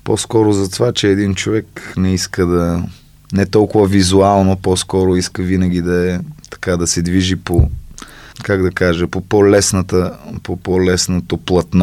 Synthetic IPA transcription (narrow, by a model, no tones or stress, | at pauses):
pɔ̰skɔɾʊzɐt̪vat͡ʃɛɛd̪int͡ʃovɛknɛiskəd̪ɐ | nɛt̪ɔlˠkʊvəvizualˠnopɔskɔɾoiskəvinəɡ̟ʲid̪ɐɛt̪ɐ̥kad̪ɐsɛd̪viʒipo | kaɡd̪ɐkaʒəpopɔlɛsnət̪əpopɔlɛsnot̪oplˠɐt̪n